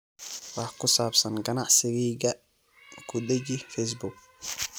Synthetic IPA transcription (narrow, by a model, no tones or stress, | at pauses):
wɑħkʰʊsaːbsɐnɡɐnɑʕsɪɣɛːɣɐ | kʰʊd̪ɛd͡ʒɪfɛjs̬bʊɡ̚